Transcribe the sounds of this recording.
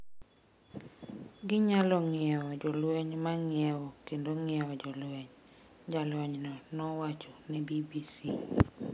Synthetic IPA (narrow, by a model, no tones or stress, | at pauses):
ɡɪɲalɔŋɪɛɔd͡ʒɔlwɛɲmaŋɪɛwɔkendoŋɪɛɔd͡ʒɔlwɛɲ | d͡ʒalwɔɲnɔnɔwat͡ʃɔnɛbibisi